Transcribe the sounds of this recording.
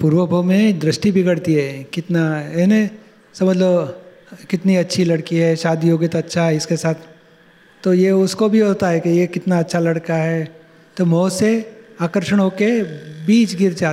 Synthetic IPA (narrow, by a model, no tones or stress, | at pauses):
puːɾʋəbʱomẽd̪ɾɪʃʈibʱɪɡəɽt̪iɦɛːkɪt̪naɛnẽ | sɐməd͡ʒlob | kɪt̪niɐtːʃʰilɐɽkiɦɛʃaːd̪ʱjoːɡɪt̪ɐtːʃʰaɦɛɪskesaːt̪ʰː | ojeʊskobʱiɦoːt̪aɦɛkijekɪt̪naɐtːʃʰalɐɽkaɦɛ | t̪omoːseaːkəɾʃəɽ̃ɦoːkebiːt͡ʃɡɪɾd͡ʒaː